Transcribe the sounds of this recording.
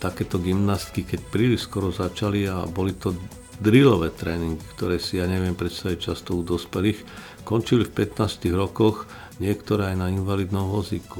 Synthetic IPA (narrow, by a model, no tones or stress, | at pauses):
t̪akɛːt̪ɔɡimnaːst̪kikɛcpɾiliʃskɔɾɔzat͡ʃalia̰bɔlit̪ɔ | d̪ɾilɔʋɛːt̪ɾɛːniŋɡikt̪ɔɾɛːsijaːɲɛʋɪɛmpɾɛt̪st̪aʋic̚t͡ʃast̪ɔud̪ɔspɛlix | kɔnt͡ʃilifpɛt̪naːst̪iɣɾɔkɔx | ɲɪɛkt̪ɔɾɛːajnainʋaliːd̪nɔmʋɔziku